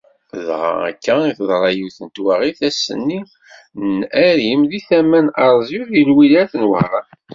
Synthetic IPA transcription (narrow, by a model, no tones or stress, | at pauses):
ðʁɑ̰æ̰kːæiθðˤɾˤɑjuθənt̪wæʁiθæsə̰nːi | næɾimðiθæmænɑɾˤzˤiðilwilæθənwə̰hɾˤɑ